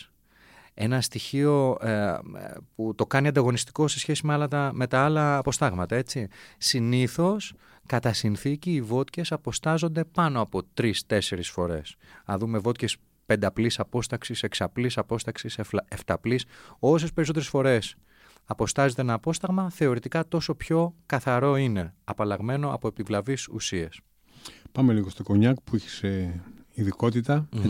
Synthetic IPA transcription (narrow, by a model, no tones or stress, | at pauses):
e̞nɐst̪içio̞ | put̪o̞kɐniɐnd̪ɐɣo̞nist̪i̥ko̞se̞sçe̞simeɐlɐt̪ɐme̞t̪ɐɐlɐːpo̞st̪ɐɣmɐt̪ɐe̞t͡sisiniθo̞s | kɐt̪ɐsinθiciːvo̞t̪ce̞sɐpo̞st̪ɐzo̞nd̪e̞pɐno̞ɐpo̞t̪ɾist̪e̞se̞ɾisfo̞ɾe̞̰sɐðume̞vo̞t̪ce̞s | pe̞nd̪ɐplisɐpo̞st̪ɐksise̞ksɐplisɐpo̞st̪ɐksiseeft̪ɐpliso̞s̬e̞speɾiso̞t̪eɾesfo̞ɾe̞s | ɐpo̞st̪ɐzet̪eenɐːpo̞st̪ɐɣmɐθe̞o̞ɾit̪ikɐt̪o̞so̞pço̞kɐθɐɾo̞ine̞ɐpɐlɐɣme̞no̞ɐ̰po̞epivlɐvisṵsies | pɐmeliɣo̞st̪oko̞ɲɐkpuiçe̥seiðiko̞t̪it̪ɐ